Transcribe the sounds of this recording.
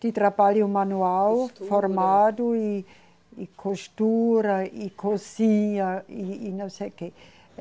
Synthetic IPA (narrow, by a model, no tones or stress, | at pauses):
d̪̥ɪt̪ɾabaljʊmanuawfoɾmad̪ʊi | ikʰoʃt̪uɾɐikʰosiɲɐiːnɐ̃w̃sejke